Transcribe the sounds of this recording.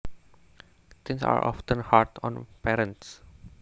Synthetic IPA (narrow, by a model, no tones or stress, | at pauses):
t̪ʰɪ̃ŋsa̰ɹɔ̰fʈə̃nhaʈɔ̰̃npɛɾə̃nʈs